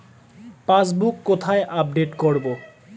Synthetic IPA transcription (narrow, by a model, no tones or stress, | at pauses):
pasbukːot̪ʰaeʔap̚ɖeʈkoɾbo